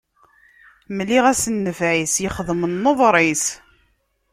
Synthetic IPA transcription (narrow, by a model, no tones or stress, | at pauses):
məlːiʁæsənːəfʕisjəχðˤmənːoðˤɾˤis